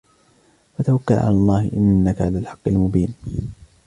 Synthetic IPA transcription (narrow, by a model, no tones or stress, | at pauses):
fat̪awakːalʕa̰lɑlˤːɑːhɪʔɪnːakaʕalaːlħɑ̥qːɪlmʊbiːn